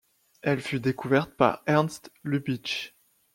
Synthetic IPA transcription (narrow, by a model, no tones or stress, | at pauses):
ɛlfyd̪ekuvɛʁt̪̚pa̰ʁɛʁnst̪lybit͡ʃ